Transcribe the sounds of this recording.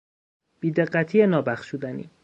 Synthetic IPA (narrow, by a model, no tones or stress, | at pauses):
b̥iːd̪e̞ɢːæt̪ʰiːenɒːbæχʃud̪ænḭː